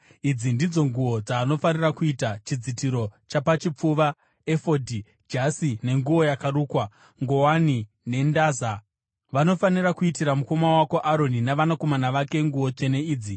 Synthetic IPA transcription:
id͡zindid͡zo̞ŋɡuwo̞d͡zaːno̞fanirakuitat͡ʃid͡zitiɾo̞t͡ʃapat͡ʃip͡fuʋa | efodʱi | d͡ʒasine̞ŋɡuo̞jakaruːkwa | ŋɡo̞wani | ne̞ndaːza | ʋano̞fanirakuitiɾamuko̞mawako̞ʔaɾo̞ninaʋanako̞manaʋake̞ŋɡuwo̞t͡ʃe̞ne̞iːd͡zi

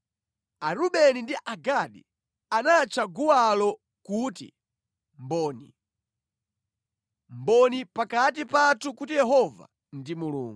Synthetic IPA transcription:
aɾuɓɛnindiʔaɡaɗḭ | anat͡ʃʰaɡuwalɔ | kuːtḭ | mbɔːnḭ | mbɔnipakatipatʰukutijɛɦɔva̰ | ndimulṵːŋɡu

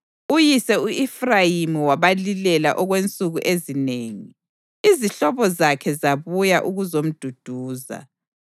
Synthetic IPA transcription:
ujisɛuifrajimiwaβalilɛla̰ʔɔɣwent͡sʼuɣuʔezineːŋi | iziɬɔβɔzakʰɛzaβujaʔuɣuzom̩d̥ʱud̥ʱuːza̰

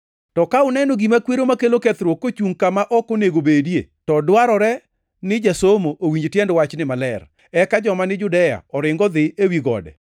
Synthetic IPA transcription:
tɔkaʊnɛnɔɡimakweɾomakeloket̪ɾwokːot͡ʃuŋkamaʔɔkoneɡobedijḛtɔdwaɾɔɾɛ | nɪd͡ʒasomoʔowiɲd͡ʒtjɛndwat͡ʃnɪmalɛr | ɛkad͡ʒɔmanɪd͡ʒʊdɛja̰ɔɾɪŋɡɔd̪ɪʔewiɡɔ̰dɛ̰

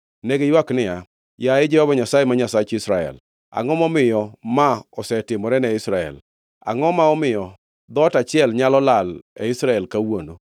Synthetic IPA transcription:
neɡejwaknɪja | jaɪd͡ʒɛhɔbaɲasajemaɲasat͡ʃisɾaɛ̰l | a̰ŋɔmɔmɪjɔmaɔsɛtɪmɔɾɛnɛɪsɾaɛ̰l | a̰ŋɔmaɔmɪjɔ | d̪ɔtat͡ʃɪjɛlɲalɔlalɛisɾaɛlkawono

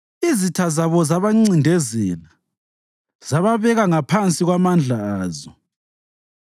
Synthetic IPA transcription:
izitʰazaβɔzaβaŋ͡ǀindʱezina | z̥aβaβɛɣaŋapʰant͡sʼiɣwamand͡ɮʱaːzɔ

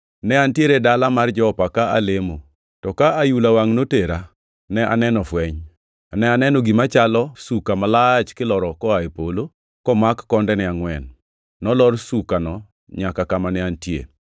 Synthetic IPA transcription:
nɛantjeɾedalamard͡ʒɔːpakaalemo | tɔkaajulawaŋnoteɾa | nɛʔa̰nɛnɔfwɛɲ | nɛanɛnɔɡimat͡ʃalɔsukamalat͡ʃkɪlɔɾɔkɔaepolo | kɔmakːɔndɛnɪaŋwɛnː | ɔlɔrsukanɔ | ɲakakamanɪantjḛ

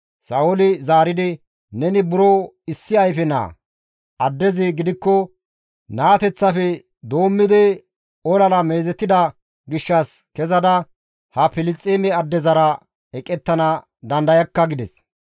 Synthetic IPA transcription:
sɐʔʊlɪzaːɾɪd̪ɪ | nɛnɪbʊɾo | ɪsːɪɐjfɛna̰ | ɐd̪ːɛzɪɡɪd̪ɪkːɔ | naːt̪ɛt͡sːɐfɛ | d̪o̞ːmːɪd̪ɪ | ɔlɐlɐmeːzɛt̪ːɪd̪ɐ | ɡɪʃːɐskɛzɐd̪ɐ | hɐpɪlɪt͡sʼːeːmɛɐd̪ːɛzɐɾɐ | ɛkʼːɛt̪ːɐnɐ | d̪ɐnd̪ɐjɐkːɐɡɪd̪ɛs

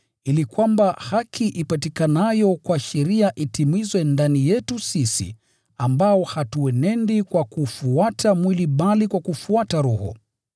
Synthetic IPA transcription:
ilikwambahakʰiʔipatikanajɔkwaʃɛɾiaʔitimizwɛndanijɛtusisḭ | ambaɔhatuɛnɛndikwakufuatʰamwiliɓalikwakufuataɾuhɔ̰

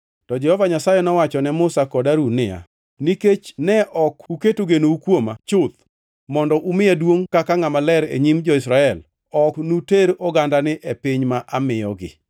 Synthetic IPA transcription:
tɔd͡ʒɛhɔvaɲasajɛnɔwat͡ʃɔnɛmʊsakɔdaɾunɪja̰ | niket͡ʃnɛʔɔkuketoɡenoukwomat͡ʃʊt̪̚ | mɔndɔʔumɪjadwoŋkakaŋamalɛɾḛɲimd͡ʒɔɪsɾaɛl | ɔknuteɾɔɡandanɪʔepɪɲmaʔamɪɔɡɪ̰

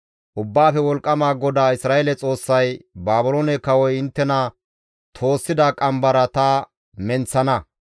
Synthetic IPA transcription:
ʔʊbːaːfɛwɔlkʼːɐmaːɡɔd̪aːɪsɾaːjeːlɛt͡sʼo̞ːsːɐjbaːbɪloːnɛkɐwɔjɪnt̪ːɛnɐ | t̪ʰo̞ːsːɪd̪akʼɐmbɐɾɐt̪ɐ | mɛnt͡sːɐnɐ

